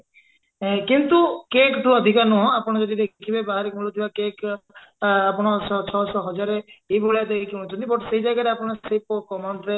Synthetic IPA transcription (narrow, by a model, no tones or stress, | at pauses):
ẽkint̪ukekʈuɔd̪ʱikaɾnɔɦɔ̃apɔɽ̃ɔd͡ʒɔdid̪ekkʰibebaɦaɾikmulut̪ʰibakek | apɔɽ̃ɔsɔt͡ʃʰɔsɔɦɔd͡ʒaɾeebɔɭeat̪ekiunɔt͡ʃʰɔnt̪ibɔʈseɦjd͡ʒajɡaɾeapɔɽ̃ɔsejpɔkɔmaɳʈɾe